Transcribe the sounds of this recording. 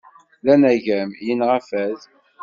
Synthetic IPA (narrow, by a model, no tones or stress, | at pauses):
lænæʝæmjənʁæfæð